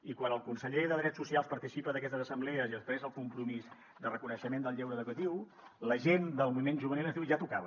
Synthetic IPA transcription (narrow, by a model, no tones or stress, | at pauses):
ikwanəlˠkunsəʎeðəðɾɛtt͡ssusialˠspəɾt̪isipəðəkɛst̪əzəsəmblɛəziəspɾɛzəlˠkumpɾumiz | d̪ərəkunəʃəmend̪əlˠʎɛwɾəðukut̪iw | ləʒend̪əlˠmuβimenʒuβənilənðiwʒat̪ukaβə